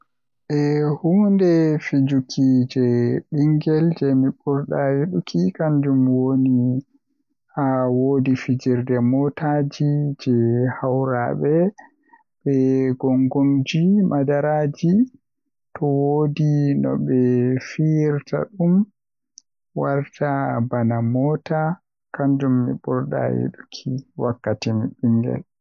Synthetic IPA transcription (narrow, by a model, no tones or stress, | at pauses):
ɓɛhundɛfid͡ʒukʰid͡ʒɛɗiŋɡɛld͡ʒɛmiɓuɾɗajiɗukikand͡ʒumwoni | awodifid͡ʒiɾdɛmɔtad͡ʒid͡ʒɛhawɾa̰ɓɛ | ɓɛɡɔŋɡoŋd͡ʒimadaɾaːd͡ʒi | tɔwodinɔ̰ɓɛfiɾta̰ɗum | waɾtʰabanamɔːta | kand͡ʒumːḭɓɔɾɗa̰jḭɗukʰiwakːatimiɓiŋɡɛ̰l